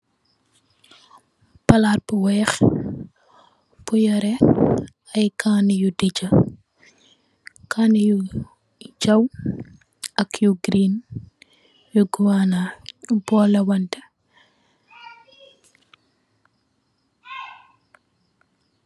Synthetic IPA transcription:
pɐlarpuwɛːx | pujɔɾɛ | ɐjkaːnijudid͡ʒɐ | kʰaniju | d͡ʒɐw | ʔɐkjuɡɾin | juɡuwanabɔlɐwɐntɛ

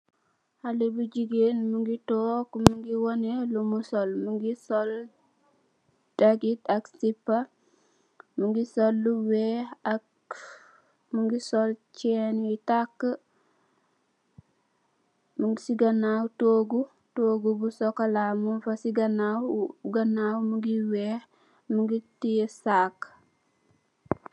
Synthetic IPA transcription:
halebud͡ʒiɡenmuŋɡitokmuŋɡiwonelumusolmuŋɡisol | daɡitaksipːa | muŋɡisolːuweak | muŋɡisolt͡ʃɛnjitakːə | muŋɡsiɡanawtoːɡu | toːɡubusokalamunfasiɡanawɡanawmuŋɡiweːh | muŋɡitisak

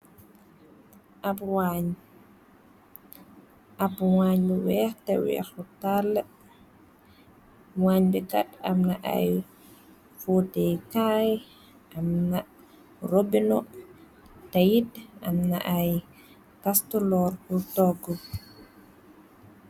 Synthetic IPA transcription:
ʔapwaɲ | ʔapwaɲbiwɛxtɛwɛ̰ːxɔtalːə | waɲbikatamnaʔa̰j | futɛkaj | ʔamna | robinɔ | tajida̰mna̰ʔaj | kastɔlɔɾutɔɡɔ

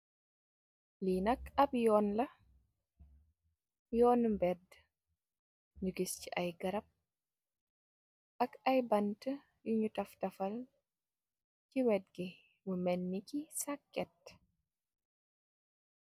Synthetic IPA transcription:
linɐkabjɔːnlɐ | jɔːnmbɛd | ɲuɡist͡ʃiʔajɡɐɾap̚ | ʔakajbantə | juɲutɐftɐfal | t͡ʃiwɛd̚ɡɛ | wumenːikisakːɛt

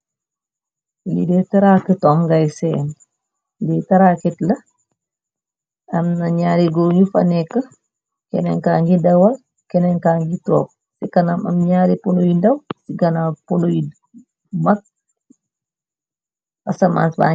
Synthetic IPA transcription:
lḭdɛtɐɾakətɔŋɡajsɛn | litɐɾakitlɐ | ɐmnɐɲaːɾiɡuɾɲufɐ̰nɛkːə | kɛ̰nɛŋkaːŋɡidɐwɐl | kɛnɛŋkaŋɡitɔ̰ːk̚ | sikɐnamɐ̰mɲaːɾiponojindɐwsiɡɐnaponoji | mɐt̚ | ɐsɐma̰nsba̰

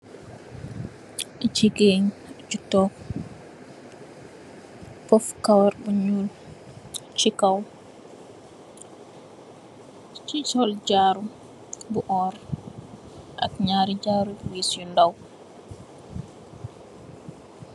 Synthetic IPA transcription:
t͡ʃiɡeɲd͡ʒutːɔk | fɔfkawaɾbuɲul | t͡ʃikaw | t͡ʃit͡ʃɔld͡ʒaɾu | buʔɔːɾ | ʔa̰kɲaːɾid͡ʒaːɾubwisjundaw

